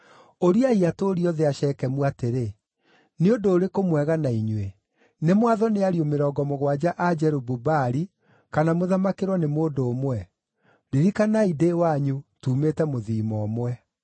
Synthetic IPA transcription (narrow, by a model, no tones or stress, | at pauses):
oɾiaiatoɾiɔðeaʃɛkɛmuateɾe | neondoːɾekomwɛɣanaiɲwe | nemwaðɔneaɾiomeɾɔːɡɔmoɣwad͡ʑaʔad͡ʑɛɾobubaɾi | kanamoðamakeɾwɔnemoːdoːmwɛ | ɾeɾikanaidewaɲutuːmetɛmoðiːmɔːmwɛ